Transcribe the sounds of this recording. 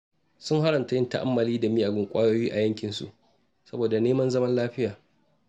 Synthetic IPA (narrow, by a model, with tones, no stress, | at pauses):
sʊ˦ŋha˦ɾɐ˨nta˨jɪ˦nta˦ʔa̰˦mːɐ˨liː˦da˨miː˦ʔa˨ɡɪ˨ŋkʷʼaː˦joː˦jiː˦ʔa˨jɐ˦ŋkʲɪ˨nsṵ˦ʔ | sɐ˦boː˨da˨neː˦mɐ˦nzɐ˦mɐ˦nlaː˦ɸɪ˦jaː˨